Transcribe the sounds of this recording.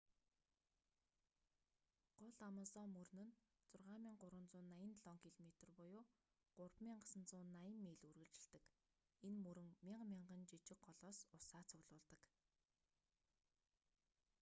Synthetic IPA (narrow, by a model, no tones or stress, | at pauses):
ɢ̥ʊɮamə̆sɔːmɵrnɘ̆n | t͡sʊrʁaːmiːŋɢʊɾwə̆nt͡sʊːnːajə̆nɮɔŋkʰiɮmet̪̆rpʊjʊː | ɢ̥ʊrpmiːŋɢasə̆nt͡sʊːnːajə̆mːeːɮurɣɘ̆ɮt͡ɕɪ̆ɮt̪ɘ̆k | enmɵɾɘ̆ŋmʲiɴqmʲiɴɢə̆nt͡ɕit͡ɕɪ̆k̚ɢɔɮɔːsʊsaːt͡sʰʊɣɮʊːɮt̪ə̆k